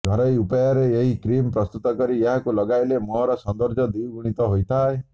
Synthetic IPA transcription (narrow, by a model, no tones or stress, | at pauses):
ɡʱɔɾɔjupɔjaɾeeɦikɾimpɾɔst̪ut̪ɔkɔɾieɦakulɔɡajlemɔɦɔɾɔsɔnd̪ɔɾd͡ʒɔd̪iwɡuɽ̃it̪ɔɦojt̪ʰae